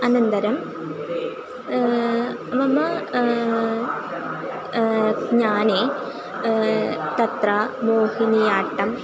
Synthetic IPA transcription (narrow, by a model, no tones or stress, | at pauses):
ɐnɐnd̪ɐɾɐm | ʋɐmɐ | ɲaːne | t̪ɐt̪ramoːhinijaːʈːɐm